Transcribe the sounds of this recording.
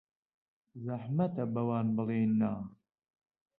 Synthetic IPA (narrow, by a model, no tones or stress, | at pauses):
zɐħmɐt̪ɐbɐwaːnbɨleːnːaː